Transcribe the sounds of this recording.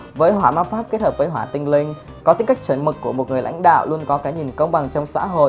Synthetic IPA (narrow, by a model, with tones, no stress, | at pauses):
vəː˨˦jɦwaː˧˩maː˧nfaː˦˥p̚ke˦˥t̚həː˨˩p̚vəː˨˦jɦwaː˧˩t̪ï˧ŋ̟lï˧ŋ̟ | kɔ˨˦t̪i˨˦ŋka˥k̟̚t͡ɕwi˧˩nmɨ˨˩kːu˧˩əmo˨˩t̚ŋ˨˩jlʔa̰˧˥jŋ̟ɗa̰ː˧˨wlu˧ənkɔ˨˦kaː˨˦ɲi˨˩nkə˧wŋ͡mɓa˨˩ŋt͡ɕɔ˧wŋ͡msa̰ː˧˥ɦo̰˧˨